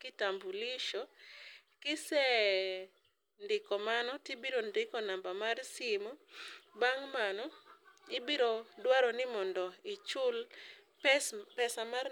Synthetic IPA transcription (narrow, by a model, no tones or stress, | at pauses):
kɪtambuliʃɔ | kɪsɛ | ndɪkɔmanɔtibiɾondɪkɔnambamarsɪmubaŋmanɔɪbiɾodwaɾɔnɪmɔndɔɪt͡ʃʊl | pɛsamar